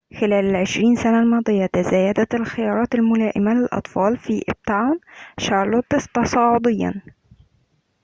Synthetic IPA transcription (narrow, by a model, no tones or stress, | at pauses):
xɪlæːlalʕɪʃɾiːnsanalmɑːd̪ˤɨjːɑt̪azæːjad̪æt̪alxɪjɑːɾˤɑːt̪almʊlæːʔɪmalɪlʔɑ̰t̪ˤfɑːlfiːʔɪ̰b̚t̪ʕawnʃɑɾˤlot̪ɪst̪ɑsˤɑːʕʊd̪ˤɪjːɑ̰n